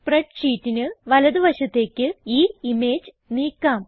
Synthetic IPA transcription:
preʈʂiːtːinɨʋɐlɐðɨʋɐɕɐt̪ːe̞ːkʲːɨiːimeːd͡ʑ | niːkːaːm

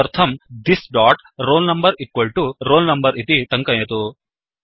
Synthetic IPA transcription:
ɐɾt̪ʰɐmd̪isɖaːʈ | ɾoːlnɐmbɐɾikʋɐlʈuɾoːlnɐmbɐɾʔit̪iʈɐŋkɐjɐt̪u

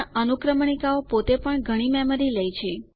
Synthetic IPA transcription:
ənukɾəmɳikaopot̪epəɳɡʱəɽ̃imɛməɾiləjt͡ʃʰe

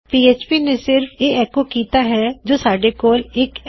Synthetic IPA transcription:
piːeːt͡ʃpiːnẽsɪɾfʰeːɛːkokiːt̪aɦɛd͡ʒoːsaːɖekoːlɪk

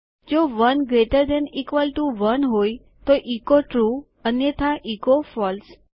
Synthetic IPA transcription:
d͡ʒoʋənɡɾeʈəɾd̪ɛ̃nikʋəlʈuʋənɦoj | t̪oʔikoʈɾu | ənjet̪ʰãʔikofɔls

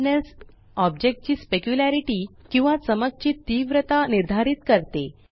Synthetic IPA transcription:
nəs | ɔbd͡ʑek̚ʈ̚t͡ɕiːspekjulaɾiʈiːkĩw̃ʋasəməɡt͡ɕiːt̪ːiʋɾət̪aniɾd̪ʱaɾiːt̪kəɾt̪e

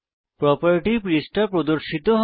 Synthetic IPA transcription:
pɾɔpaɾiʈipɾisʈapɾod̪oɾʃit̪oɦ

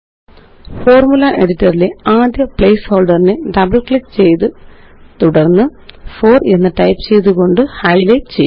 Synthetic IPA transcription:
fo̞ːrmulɐʔe̞ɽitːɐrile̞aːd̪jɐpɭejsho̞ːlɖɐrineɖɐbɐɭkɭipːt͡ɕe̞jt̪ɨ | t̪uɽɐrnːɨfo̞ːre̞nːɨʈɐjpːt͡ɕe̞jt̪̬uɣo̞ɳɖɨhɐjlet͡ɕejː

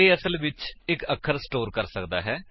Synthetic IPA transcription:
eːəsəlʋɪt͡ʃɪkəkʰəɾsʈoːɾkəɾsəkd̪a̰ːɦɛː

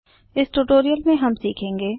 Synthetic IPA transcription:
ɪsʈuːʈoːɾijəlmẽɦɐmsiːkʰẽːŋɡeː

